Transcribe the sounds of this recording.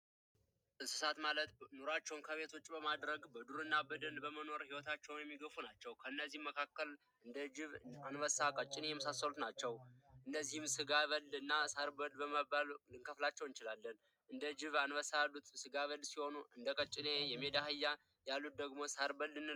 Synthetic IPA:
ɨsɨ̥sat̪malət̪noɾat͡ʃːɛwnkʰəβe̞t̪ʰwot͡ʃːʼbəmad̪ɾəɡbəd̪uɾɨnːabəd̪ənbəməno̞ɾhiwɔt̪ʰat͡ʃːɛwnjɛmːiɡəfunat͡ʃːɛwkʰəɨnːəzːihməkʰakːəl | ɨnd̪əd͡ʒɪβanwəsakʼət͡ʃʼːɪnejɛməsasːəlut̪nat͡ʃːɛwʔɨnːəzːihɨmsɨɡaβəlɨnːasaɾbəlbəməbalɨŋkʰəflat͡ʃːɛwɨnt͡ʃɪlalːən | ʔɨnd̪əd͡ʒɪβanwəsalːut̪ʼsɨɡaβəlsiho̞nuʔɨnd̪əkʼət͡ʃʼːɪnejɛmed̪ahɨjːa | jalːut̪̚d̪əɡmo̞saɾbəlːɨnːɨ

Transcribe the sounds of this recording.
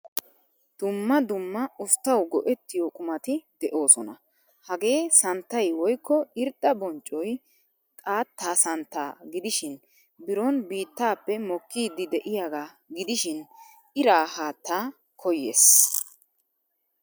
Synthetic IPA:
d̪̥ʊmːɐd̪ʊmːɐʊft̪ːɐwɡɔʔɛt̪ːɪjɔkʼʊmɐt̪ɪd̪̥ɛʔo̞ːsɔnɐ | hɐɡe̞ːsɐnt̪ːɐjwɔjkːɔɪɾd̪ːɐbɔnt͡ʃʼːɔj | t̪ʼaːt̪ːaːsɐnt̪ːaːɡɪd̪ɪʃɪn | bɪɾɔnbiːt̪ːaːpːɛmɔkːiːd̪ːɪd̪ɛʔɪjaːɡaː | ɡɪd̪ɪʃɪn | ɪɾaːhaːt̪ːaː | kʰɔjḛːs

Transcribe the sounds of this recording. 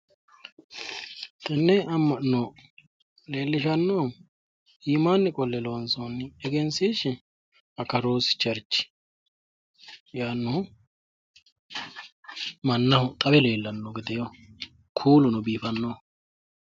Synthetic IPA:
t̪ɛnːɛɐmːɐʔnːo | le̞ːlːɪʃɐnːoː | iːmaːnːɪkʼɔlːɛlonsonːɪɛɡɛnsiːʃɪ | ɐkɐɾoːsɪ̥t͡ʃɐɾt͡ʃːɪ̥ | jaːnːʊ | mɐnːɐhʊt̪ʼɐbɛle̞ːlːɐnːɔɡɪd̪ɛjo | kʰuːlʊnʊbiːfɐnːoː

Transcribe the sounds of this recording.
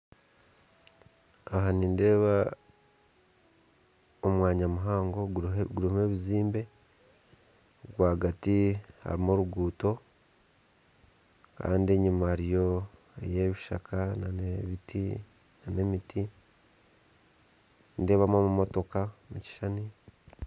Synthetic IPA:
aɦaninde̞ːβa | omwaːɲamuɦaːŋɡo̞ɡuɾime̞βiziːmbe̞ | ɡwaːɡatiha̰ɾimoɾuɡuːto̞ | ka̰ːndieɲumaɾijo̞ | ḛje̞βiʃa̰kʰananeβitʰi | nane̞mitʰi | nde̞ːβamomumo̞to̞kamuci̥ʃani

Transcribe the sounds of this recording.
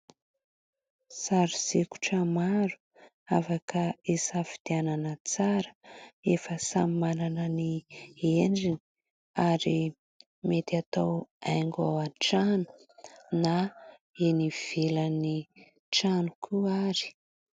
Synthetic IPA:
saɾiz̥eku̥ʈ͡ʂəmaɾu̥ | afakəesafi̥d̪iananət͡saɾə̥efəsamimananənieɳɖ͡ʐini | aɾi | met̪at̪awajŋɡa̰aʈ͡ʂanu̥ | na | eniv̥eləni | ʈ͡ʂanukʰuaɾi̥

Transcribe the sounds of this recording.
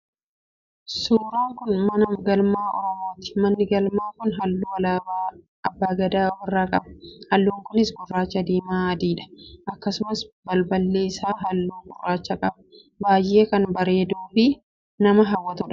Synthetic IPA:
suːɾaːŋkʊnmɐnɐmɡɐlmaːʔɔɾɔmoːt̪ɪ̥mɐnːɪɡɐlmaːkʊnɦɐlːuːwɐlaːa | ɐbːaːɡɐd̪aːwɐrːaːkʼɐbɐ̥hɐlːuːŋkʊnɪsɡʊrːaːt͡ʃːɐd̪iːmaːd̪iːᶑɐ̥ʔɐkːɐsʊmɐsbɐlbɐlːe̞ːɪsaːɦɐlːuːŋɡʊrːaːt͡ʃːɐkʼɐbɐ̥ | baːjːe̞ːkɐnbɐɾeːd̪uːfɪ | nɐmɐɦɐwːɐt̪ʊᶑɐ̥

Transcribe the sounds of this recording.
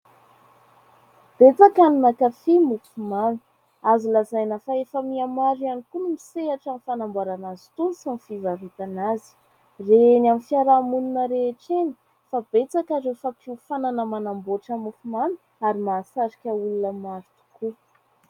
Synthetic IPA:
b̥et͡sakanimakafimufumami̥ | azilazajnəfaefəmiamaɾianikunumiseaʈ͡ʂanifanambaɾanazi̥t̪unusamifivavet̪anazi̥ | renamifiaɾamununəɾeːʈ͡ʂeni̥ | fab̥et͡sakaɾefapʰiufananəmanamboʈ͡ʂəmufumami̥ | aɾimaːsaɾikʲəulunəmaɾit̪u̥ku

